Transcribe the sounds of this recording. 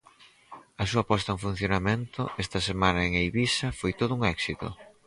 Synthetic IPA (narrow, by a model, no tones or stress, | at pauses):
ɐsuɐpɔst̪ɐuŋfun̟θjonamẽnt̪ʊʔɛst̪ɐsemanɐeŋejβisɐfojt̪oð̞ʊuŋɛksit̪o̰